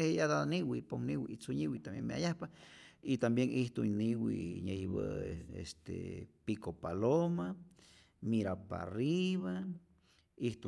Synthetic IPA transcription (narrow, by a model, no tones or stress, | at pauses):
ejad̪aniwiponiwit͡suɲiwit̪ambjḛŋmea̰jahpait̪ambjeŋiht̪uniwḭɲejiβə̰eḛst̪ḛpikopaloma | miɾapa̰riβa | iht̪u